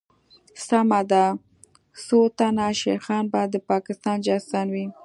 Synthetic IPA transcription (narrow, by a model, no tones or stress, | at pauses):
samad̪a | sot̪anaʃeɾxɑnbajd̪ːəpɑkɪst̪ɑnd͡ʒasɑnwi